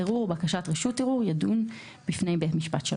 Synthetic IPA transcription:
eʁuʁbakaʃatʁeʃutːeʁuʁjadun | bifne̞jbetmiʃpatʃe

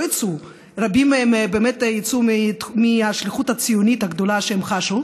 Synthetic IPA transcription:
it͡su | ʁabimembeːmet̪jit͡summiaʃliχuthat͡sijonit̪haɡd̪o̞laʃehemχaʃu

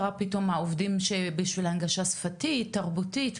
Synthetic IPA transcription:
ʁapito̞mhaovdimʃebiʃvilhanɡaʃasfatitːaʁbutit

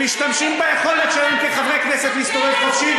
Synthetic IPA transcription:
iʃt̪amʃimbajeχo̞let̪ʃalemkeχavʁejknɛset̪ist̪oʁeχaʃi

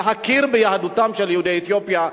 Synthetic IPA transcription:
ɦakiʁbejahadutamʃeljehudejet̪jopja

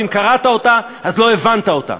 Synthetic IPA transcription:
imkaʁat̪ao̞t̪a | azlo̞evant̪ao̞t̪a̰

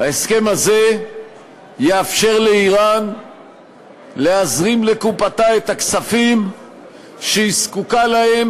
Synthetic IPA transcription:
aeske̞maze̞ | jeafʃe̞ʁle̞iʁan | le̞azʁimle̞kupat̪ae̞t̪aksafim | ʃeiskukalahe̞m

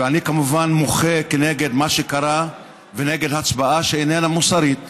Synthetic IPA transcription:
eanikamuvanmoχekeneɡed̪maʃekaɾa | veneɡed̪hat͡sbaaʃeenenamusaɾit̪̚

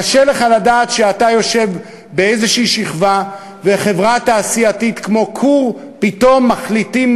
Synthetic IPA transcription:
aʃele̞χaladaːt̪ʃeatajo̞ʃe̞v | beejzeʃiʃiχva | veχe̞vʁat̪aːsiat̪it̪kmo̞kʰuʁ | pito̞mːaχlitim

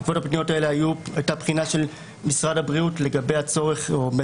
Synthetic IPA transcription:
kvo̞tapnijo̞tae̞leajuajtapχinaʃe̞l | misʁadabʁiutle̞ɡabejat͡so̞ʁe̞χom

